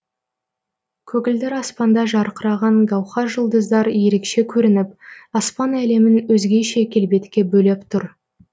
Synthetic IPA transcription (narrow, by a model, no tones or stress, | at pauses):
kʲʰɵɡʲɪld̪ɪɾɑspɑnd̪ɑʒɑɾqəɾɑʁɑɴɡɑwχɑʒəlˠd̪əzd̪ɑɾje̞ɾe̞kʃe̞kʲʰɵɾɪnɪpɑspɑnæle̞mɪnwɵzɡʲe̞ʃe̞kʲʰe̞lbe̞t̪kʲe̞bɵle̞pt̪ʰʊɾ